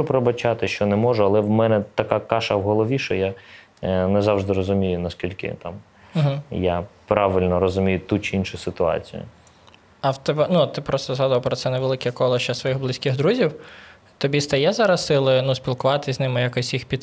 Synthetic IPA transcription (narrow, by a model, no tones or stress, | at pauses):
ʊpɾebɐt͡ʃɑt̪ɪʃt͡ʃɔnɛmɔʒʊɐlˠɛwmɛnɛt̪ɐkakɑʃɐwɦɔlˠɔʋʲiʃɔja | nɛzɑwʒd̪ɪɾɔzʊmʲijʊnɐskʲilʲkɪ̰t̪ɑm̩ | ɦ̩japɾɑʋɪlʲnɔɾɔzʊmʲijʊt̪ut͡ʃɪinʃʊsɪt̪ʊɑ̰t͡sʲḭjʊ̰ | ɐwt̪ɛbɛnut̪t̪ːɪpɾɔst̪ɔzɦɑd̪ʊʋɐpɾɔtsɛnɛʋelˠɪkʲɛkɔlˠɔʃt͡ʃɐsʋɔjiɣblˠɪsʲkɪɣd̪ɾuzʲiw | t̪ɔbʲist̪ɐjɛzɐɾɐssɪlˠɪnusʲpʲilˠkʊʋɑt̪ɪzʲnɪmɪjakɔsʲjixpʲit̪